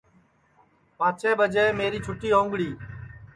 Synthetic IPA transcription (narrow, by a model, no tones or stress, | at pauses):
paːt͡ʃeːbʱəd͡ʒeːmeːɾiːt͡ʃʰʊʈiːɦõːŋɡɽiː